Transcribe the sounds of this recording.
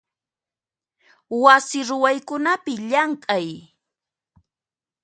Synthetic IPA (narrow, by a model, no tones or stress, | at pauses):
wasɪɾʊwajkʊnapɪʎaŋkʼaj